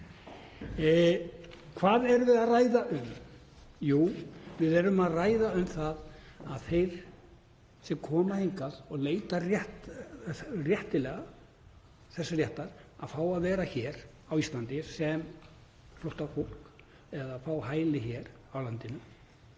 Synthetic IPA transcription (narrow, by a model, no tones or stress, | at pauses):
kʰvaːðɛɾvɪðaðraːjðaʔʏm | juːvɪðɛɾʏmaðraːjðaʏmθaðaðθejɾ̥ | sɛmkʰɔːmahejŋkaðɔɣleːjt̪arjɛht̪ | rjɛht̪ɪlɛɣa | θɛsːarjɛht̪aɾ̥aðfaːwaðvɛːɾaçɛːɾ̥ | awist̪lant̪ɪsɛm | fɾowht̪afol̥k | ɛðafaːwɦaːjlɪçɛːɾ | awlant̪ɪnʏ